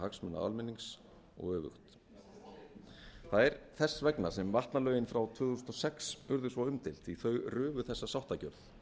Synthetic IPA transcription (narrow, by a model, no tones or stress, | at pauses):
haksmɛnːa̰a̰lmɪnːiŋs | ɔ̰ɣœːvʏ̰xt̪ | θaðɛɾθɛsːvɛknasɛmvaht̪nalœːɥjɪnfɾawt̪ʰvʏːɣðusnɔsɛksʏɾðʏsvaʏmt̪ɪl̥t̪iθœɥrʏːvʏθɛsːasawht̪acœɾθ